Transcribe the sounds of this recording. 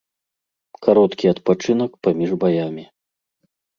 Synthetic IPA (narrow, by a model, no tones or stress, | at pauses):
kaɾɔt̪kʲiɐt̪pat͡ʂɨn̪ɐkpamʲiʐbajamʲi